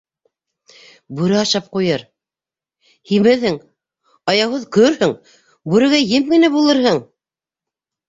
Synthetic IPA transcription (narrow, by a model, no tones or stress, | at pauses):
buɾɘɑʃɑp̚qujɤɾ | himɘ̆ðhɘŋ | ɑjɑwɤðkɵɾhɵŋ | bʉɾɘ̆ɡæjɘmɡɘ̆næbulˠɤɾɦɤɴ